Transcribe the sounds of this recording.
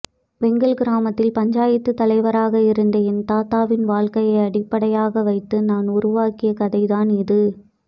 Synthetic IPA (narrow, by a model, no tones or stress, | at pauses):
ʋɛŋɡɐɭɡɪɾaːmɐt̪ːɪlpɐɲd͡ʒaːjɪt̪ːɯt̪ːɐlɐɪʋɐɾaːɣɐɪɾɯnd̪ɐɪnt̪aːt̪aːʋɪnʋaːɭkɐjɐɪɐɽɪpːɐɽɐjaːɣɐʋɐɪt̪ːɯnaːnʊɾʊʋaːkɪjɐkɐðɐɪðaːnɪðɯ